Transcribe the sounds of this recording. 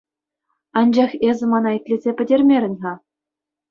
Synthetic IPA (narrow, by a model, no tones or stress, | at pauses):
ɑnd͡ʑɑχezʲɘ̆mɑnɑit̪ʲlʲezʲepʲɘ̆dʲerʲmʲeɾʲɘ̆nʲɦɑ